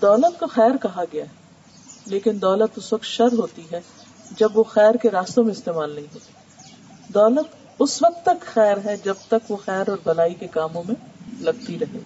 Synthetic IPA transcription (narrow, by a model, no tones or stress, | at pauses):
d̪ɔːlət̪koxɛːɾkɐɦaɡɐjaɦ | leːkɪnd̪ɔːlət̪ʊsʋɐk̚t̪ʃɐɾɦoːt̪iɦɛ | d͡ʒɐbʋoxɛːɾkeɾaːst̪õmẽɪst̪eːmaːlnɐɦĩɦoːt̪i̥ː | d̪ɔːlət̪ | ʊsʋɐk̚t̪ːɐk̪xɛːɾɦɛd͡ʒɐb̚t̪ɐkʋoxɛːɾɔːɾbɐlaːikekaːmõmẽlɐɡ̚t̪iɾɐɦḛː